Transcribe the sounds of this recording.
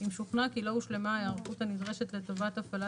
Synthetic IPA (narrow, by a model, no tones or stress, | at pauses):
imʃuχnakilo̞uʃle̞majaʁχuthanid̪ʁeʃet̪le̞tovat̪afala